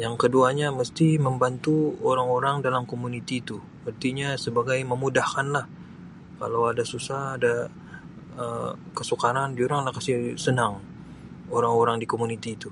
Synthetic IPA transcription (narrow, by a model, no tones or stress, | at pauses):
jaŋkəduaɲaməst̪iməmbant̪uoɾaŋoɾaŋdalamkomunit̪iːt̪u | pərt̪iɲasəbaɡajməmudahkanlah | ka̰lawadasusahːda | əmkəsukaɾand͡ʒuɾaŋlahkasisənaŋ | oɾaŋoɾaŋdikomunit̪iːt̪u